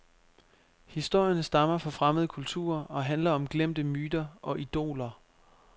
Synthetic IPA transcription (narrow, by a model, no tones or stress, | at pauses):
hisd̥o̝ɐ̰jɐnəsd̥ɑ̈mɐfɒ̽fʁaməðˠkʰult͡sʰṵːɐɒ̽ɦænlɐɒ̽mɡ̥lem̰d̥əmyːd̥ɐʔɒ̽ʔid̥o̝̰ːlɐ